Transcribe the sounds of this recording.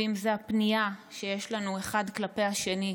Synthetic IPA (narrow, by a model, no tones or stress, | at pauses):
imzeapniaʃejeʃlanue̞χadklape̞jaʃe̞ni